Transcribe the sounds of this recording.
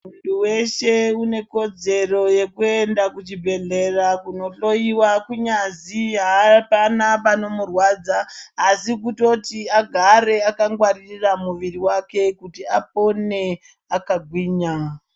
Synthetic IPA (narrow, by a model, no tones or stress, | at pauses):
muntuwe̞ʃe̞une̞ko̞d͡ze̞ro̞je̞kue̞ndakut͡ʃibʱe̞ɮe̞rakuno̞ɬo̞jiwakuɲaziɦapanapano̞murwad͡zaːsik̬uto̞tiaɡʱaɾe̞akaŋɡwariramuʋiriwake̞kutiap̚o̞ne̞ | akaɡʱwiːɲa